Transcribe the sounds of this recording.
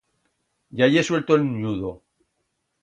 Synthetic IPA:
jajeswe̞lt̪olnjuðo

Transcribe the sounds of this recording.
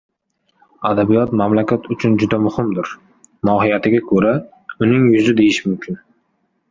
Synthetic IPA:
ad̪abijɒt̪mamlakʲʰat̪ʰʊt͡ʃʰʊnd͡ʒʊd̪amʊhɪmd̪ɪɾ | mɒhɪjat̪ʰɪɡʲakʰɵɾa | ʊnɪŋjʊzɪd̪e̞jɪʃmʊmkʲʰɪn

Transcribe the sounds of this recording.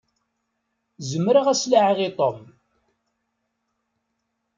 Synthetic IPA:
zəmːɾəʁæslaʕʁit̪ˤom

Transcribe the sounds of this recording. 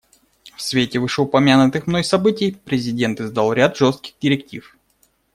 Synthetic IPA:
fsvʲetʲɪvɨʂəʊpɐmʲanʊt̪ɨxmnojsɐbɨtʲɪjpɾʲɪzʲɪdʲe̞nt̪ɨzd̪alˠɾʲat̪ʐost̪̚kʲɪ̥ɣdʲɪɾʲɪktʲḭf

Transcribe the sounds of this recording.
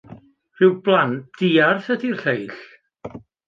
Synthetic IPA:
r̥ɪwblˠantd̥iːarθədirɬejɬ

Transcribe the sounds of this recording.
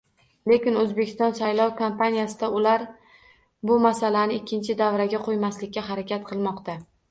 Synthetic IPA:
le̞kʲɪnɵzbekʲɪst̪ɒnsajlˠɒwkʰompʰanijasɪd̪aʊlaɾ | bʊmasalanɪɪkʲʰːɪnt͡ʃʰɪd̪avɾaɡʲaqʰojmaslɪkʲːaɦaɾakʲat̪̚qʰɨlˠmɒqt̪a

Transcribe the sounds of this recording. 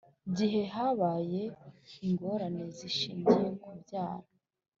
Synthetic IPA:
iɟiɦe̞ɦaːβaːje̞iŋɡo̞ɾane̞ziʃiːɲɟijekubjaːɾa

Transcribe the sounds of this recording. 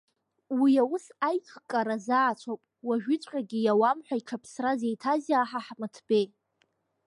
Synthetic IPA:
wiawʊsajqʰkʼaɾazaːt͡ɕʷʰopʼwaʒᶣɪt͡sʷʼħʲʼaɡʲijawamħʷᶣaiʈ͡ʂʰapʰsrazejtʰazaːħaħmɨtʰb̥e̞j

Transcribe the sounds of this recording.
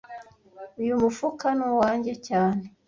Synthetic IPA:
ujumufukanuwaːɲɟe̞caːne

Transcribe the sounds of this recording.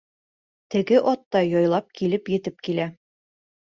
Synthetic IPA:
t̪ɘ̆ɡɘʔɒt̪ːɑjɒjlˠɑp̚kʰilɘpjɘ̆t̪ɘp̚kilæ

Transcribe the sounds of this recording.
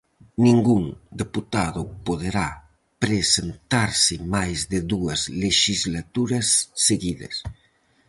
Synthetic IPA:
niŋɡuŋd̪eput̪aðupoðeɾa | pɾesent̪aɾsɪmajzd̪eðuɐzleʃizlat̪uɾɐsːeɣiðɐ̰s

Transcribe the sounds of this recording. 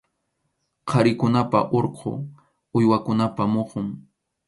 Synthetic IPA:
qʰɑɾɪkʊnapa̰ʔoɾqʰo̰ | ʊjwakʊnapamoqʊŋ

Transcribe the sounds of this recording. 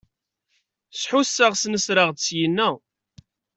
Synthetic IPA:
sħʊsːəʁsnəsɾəʁd̪sjənːæ

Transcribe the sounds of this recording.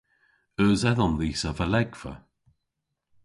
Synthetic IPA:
əːzɛðɔnðiːsəvəlɛɡv̥ə̰

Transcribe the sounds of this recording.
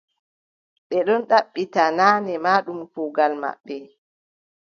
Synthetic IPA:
ɓɛɗɔnɗaɓːitanaːnɛmaːɗumfuɡalma̰ɓːɛ

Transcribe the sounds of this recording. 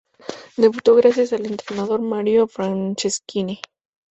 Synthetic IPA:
d̪e̞βut̪o̞ɣɾas̬jasale̞nt̪ɾenaðo̞ɾmaɾjo̞fɾant͡ʃeskine

